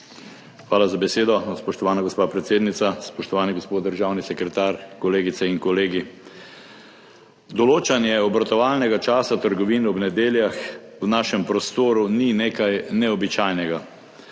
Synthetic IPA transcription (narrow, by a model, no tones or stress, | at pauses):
xʋaːlazabɛseːd̪ɔspɔʃt̪ɔʋaːnaɡospaːpɾɛt̪seːd̪nit̪saspɔʃt̪ɔʋaːniɡospoːt̪̚d̪əɾʒawnisɛkɾɛt̪aːɾkɔleːɡit̪sɛinkɔleːɡi | d̪ɔloːt͡ʃanjɛɔbɾat̪ɔʋaːlnɛɡat͡ʃaːsat̪əɾɡɔʋiːnɔbnɛd̪eːljax | wnaːʃɛmpɾɔst̪oːɾunineːkajnɛɔbit͡ʃaːjnɛɡa